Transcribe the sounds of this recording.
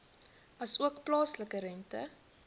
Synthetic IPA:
ɐsuəkplɑːsləkəɾɛntə̰

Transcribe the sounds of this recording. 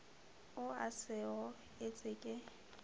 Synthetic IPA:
ʊasɪɣɔ | et͡sʼɪkʼɪ

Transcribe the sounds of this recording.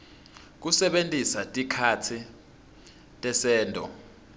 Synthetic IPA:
k̬usɛɓentʼisatʼikʰatʰi | tʼɛsɛːndʱʼɔ̰

